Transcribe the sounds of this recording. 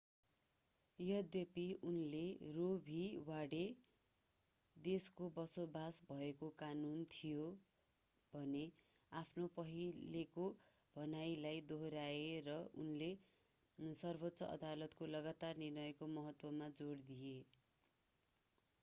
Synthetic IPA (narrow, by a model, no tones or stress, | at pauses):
jʌd̪jʌpiunlerobʱiwaɽe | d̪eskobʌsobʱasbʱʌekokanunt̪ʰijo | bʱʌne | apʰnopʌɦileko | b̥ʱʌnajlajd̪oɦɾaerʌṵnle | sʌrbʱot̪ːsʌʔʌ̰d̪alʌt̪kolʌɡat̪arnirnʌjkomʌɦʌt̪wʌmad͡zoɽd̪ije